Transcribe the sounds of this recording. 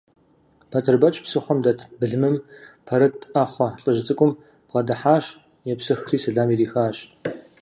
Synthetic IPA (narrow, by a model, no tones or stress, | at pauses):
pʰɐtʰɨrbɐt͡ʃʼpsɨχʷɔmdɐtʰbɨɮmɨmpʰɐɾɐtʰʼʔaːχʷɔɬʼɨʑɪt͡sʼɨkʷʼʊm | b̥ʁɐdɐħaːɕ | jɛpsɨxriːsɐɮaːmiːriːxaːɕ